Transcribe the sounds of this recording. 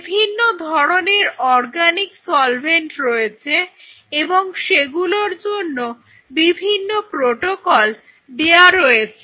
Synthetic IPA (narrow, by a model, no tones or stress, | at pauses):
bʱinːod̪ʱɔɾoneɾɔɾɡaniksɔlbʱenʈɾojet͡ɕʰe | eboŋʃeɡuloɾd͡ʑonːo | bibʱinːopɾoʈokɔl | d̪eaɾojet͡ɕʰe